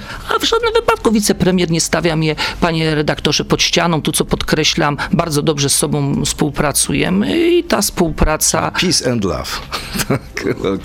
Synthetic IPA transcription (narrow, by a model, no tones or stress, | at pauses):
avʐad̪̚nɘmvɘpat̪̚kuvʲit̪sɛpɾɛmʲjɛɾɲɛst̪avʲjamjɛpaɲɛɾɛd̪akt̪ɔʐɛpɔt̪ɕt͡ɕanɔ̃t̪ut̪sɔpɔt̪kɾɛɕlambaɾd̪zɔd̪ɔbʐɛsːɔbɔ̃w̃fspuwpɾat̪sujɛ̰mɘit̪afspuwpɾat̪sa̰pʲisɛnd̪la̰vt̪ʰaka